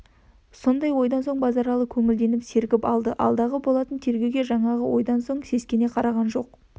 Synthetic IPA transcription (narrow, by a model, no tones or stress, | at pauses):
so̞nd̪ɑjwo̞jd̪ɑnso̞ɴbɑzɑɾɑlˠəkʲʰɵŋɪld̪e̞nɪpse̞ɾɡʲɪpɑlˠd̪əʔɑ̰lˠd̪ɑʁəbo̞lˠɑt̪ənt̪ʰe̞ɾɡʲe̞wɡʲe̞ʒɑɴɑʁəwo̞jd̪ɑnso̞ɴse̞skʲe̞ne̞qʰɑɾɑʁɑnʒo̞q